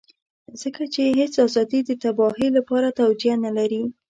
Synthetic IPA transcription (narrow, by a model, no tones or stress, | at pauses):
z̥əkat͡ʃeɦet͡sazɑd̪id̪ət̪abɑɦilapɑɾat̪awd͡ʒjanalaɾi